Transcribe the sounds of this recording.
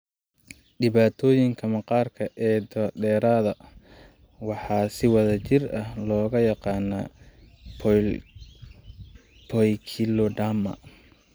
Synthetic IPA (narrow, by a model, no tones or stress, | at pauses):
ɖɪβaːt̪ʰɔːjɪŋkʰɐmɐqɑːrkʰɐʔɛːd̪ɐdɛːɾaːðɐ | wɑħɑːsɪwɐðɐt͡ʃɪrɐhlɔːɣɐjɑqɑːna̰ | pʰɔjkʰilɔɖamɐ̰